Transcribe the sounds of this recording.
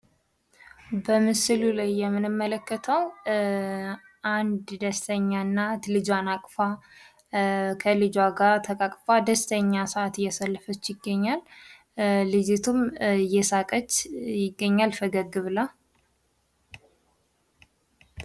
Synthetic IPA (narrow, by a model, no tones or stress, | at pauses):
bəmɨsɨlulajːɛmːɨnɨmːələkːət̪ʰəw | ʔand̪d̪əst̪ʰəɲːanːat̪lɨd͡ʒwanakʼfa | kʰəlɨd͡ʒwaɡat̪ʰəkʼakʼfad̪əst̪ʰəɲːasəʔat̪jɛsəlːəfət͡ʃːjɪɡːəɲːalː | ɨd͡ʒet̪ʰumjɛsakʼət͡ʃːjɪɡːəɲːalfəɡəɡːɨβla